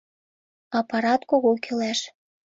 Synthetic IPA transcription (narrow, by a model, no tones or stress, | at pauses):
ɑpɑɾɑt̪koɣokʰelæʃ